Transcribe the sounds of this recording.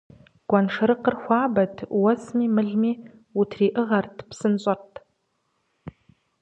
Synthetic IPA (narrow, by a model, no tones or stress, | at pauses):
ɡ̥ʷanʂɐɾɨqərxʷɑːbɐtʰwɐsmiːmɨɮmiː | utʰriːʔɨʁɐrtʰpʰsɨnɕʷʼɐrtʰʼ